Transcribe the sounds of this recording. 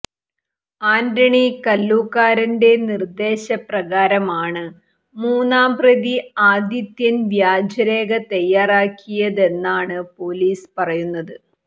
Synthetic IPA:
aːndɐɳikɐlːuːkːaːɾɐnde̞nird̪e̞ːɕɐprɐɣaːɾɐmaːɳɨ | muːnːaːmprɐðiaːd̪jɐt̪jɐnʋjaːd͡ʑɐɾe̞ːɣɐt̪ɐjːaːraːkʰːijɐðe̞nːaːɳɨpo̞ːliːspɐrɐjunːɐðɨ

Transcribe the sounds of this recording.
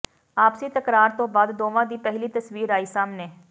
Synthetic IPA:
aːpsiːt̪əkɾaːɾt̪õːbaːd̪d̪oːʋãːd̪iːpɛɦliːt̪əsʋiːɾaːiːsaːmneː

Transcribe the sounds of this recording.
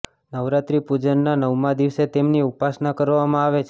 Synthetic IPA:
nəʋɾat̪ɾipud͡ʒənːanəʋmãd̪iʋset̪emniupasnakəɾʋamãaʋet͡ʃʰ

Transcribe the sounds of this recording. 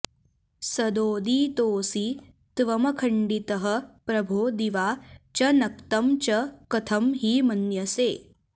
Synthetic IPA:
sɐd̪oːd̪iːt̪oːsi | t̪ʋɐmɐkʰɐɳɖit̪ɐɦɐ̆pɾɐbʱoːd̪iʋaːt͡ʃɐnɐkt̪ɐmt͡ʃɐkɐt̪ʰɐmɦiːmɐnjɐseː

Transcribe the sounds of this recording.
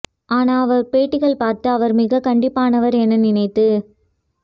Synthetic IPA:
ʔaːnaːɐʋɐɾpeːʈːɪɣɐɭpaːɾt̪ɯɐʋɐɾmɪɣɐkɐɳɖɪpːaːnɐʋɐɾɛnːɐnɪnɐɪt̪ːɯ

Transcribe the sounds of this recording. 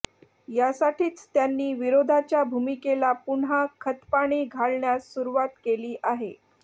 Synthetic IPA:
jasaʈʰiːt͡st̪janːiːʋiɾod̪ʱat͡ɕjabʱumikelapuɳɦakʰət̪paɽ̃iːɡʱaɭɳjasːuɾuʋat̪keliːʔaɦe

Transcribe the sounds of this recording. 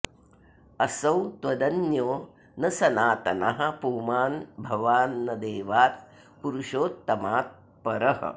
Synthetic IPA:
ɐsɐwt̪ʋɐd̪ɐnjoː | nɐsɐnaːt̪ɐnɐ̰ɦɐ̆puːmaːnbʱɐʋaːnːɐd̪eːʋaːt̪̚ | puɾuʃoːt̪ːɐmaːt̪̚ | pɐɾɐɦɐ̰

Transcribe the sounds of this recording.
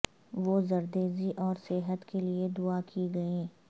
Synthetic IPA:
ʋoːzɐɾd̪eːziʔɔːɾseɦət̪kʰelied̪ʊakʰiɡɐẽː

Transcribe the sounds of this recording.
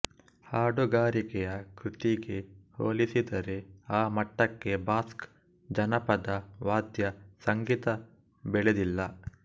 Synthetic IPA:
haːɖoɡaːɾikɛjɐkɾut̪iɡe̞ho̰ːlisid̪ɐɾe̞aːmɐʈːɐkːe̞baːsk | d͡ʒɐnɐpɐd̪ɐʋaːd̪jɐsɐŋɡiːt̪ɐ | bɛɭed̪ilːɐ

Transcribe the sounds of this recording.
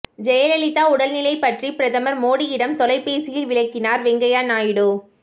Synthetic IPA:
d͡ʒɛjɐlɐlɪt̪ːaːʊɽɐlnɪlɐɪpːɐʈripɪɾɐðɐmɐɾmoːɽijɪɽɐmt̪ɔlɐɪpːeːsɪjɪlʋɪlɐɪkːɪnaːɾʋɛŋɡɐjaːnaːjɪɽoː

